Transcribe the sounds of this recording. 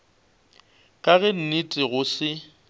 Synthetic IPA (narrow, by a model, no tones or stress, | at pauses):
kʼaɣɛn̩nitʼɪɣʊsɪ